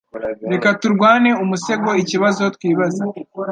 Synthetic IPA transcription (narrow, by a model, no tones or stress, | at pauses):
ɾe̞katuɾɡwaːne̞umuse̞ɡo̞iciβazo̞twiːβaza